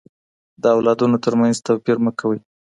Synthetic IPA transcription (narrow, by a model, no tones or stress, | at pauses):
d̪əawlɑd̪unot̪əɾmanzt̪awpiɾməkʰawəj